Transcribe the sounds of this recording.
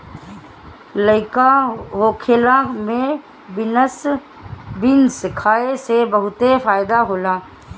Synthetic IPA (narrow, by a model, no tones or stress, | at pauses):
ləɪkaɦoːkʰeːlamẽ | bɪnəs | bɪnskʰaːesebəɦʊt̪efaːɪd̪aɦoːlaː